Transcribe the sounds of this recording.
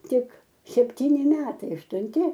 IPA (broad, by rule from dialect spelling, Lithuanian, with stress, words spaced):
ˈtʲɪk sʲɛpʲˈtʲiːnʲɪ ˈmʲæːtɐɪ ɐʃtʊnʲˈtʲɪ